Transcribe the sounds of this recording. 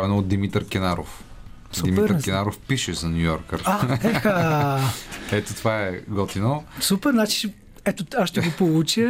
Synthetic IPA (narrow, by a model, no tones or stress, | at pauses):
vɛnoːd̪̚d̪imit̪əɾkʲɛnaɾof | sd̪uimɛɾkʲɛnaɾofpiʃɛzɐnʲujɔɾkəɾaɛxa | ɛt̪ot̪ovaɛɡɔt̪inosupɛɾnat͡ʃi̥ | ɛt̪oaʃʃt̪ɛɡopolˠut͡ʃə